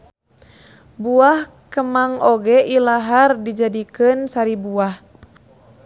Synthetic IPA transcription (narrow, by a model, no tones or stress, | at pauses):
buah | kəmaŋɔɡɛʔilaɦardid͡ʒadikɨnsaɾibuah